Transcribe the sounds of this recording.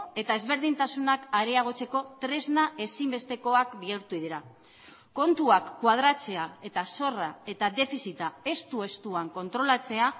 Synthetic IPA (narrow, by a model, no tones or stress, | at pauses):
e̞t̪ae̞zβe̞ɾð̞int̪asunakaɾeaɣ̞o̞t͡se̞ko̞t̪ɾe̞znaʔe̞simbe̞st̪e̞ko̞akbieɾt̪uið̞eɾa | ko̞nt̪uakːwað̞ɾat͡se̞ae̞t̪aso̞rae̞t̪ad̪e̞fisit̪ae̞st̪ue̞st̪uaŋko̞nt̪ɾo̞lat͡se̞a